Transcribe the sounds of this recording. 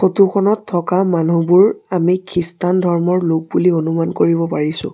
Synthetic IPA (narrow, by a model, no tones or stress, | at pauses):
xotukʰɔnɔtʰːɔkamanubuɹamikʰɹistandʱɔɹmɔɹlok̚bulionumankoɹibɔpaɹisʊ̰̃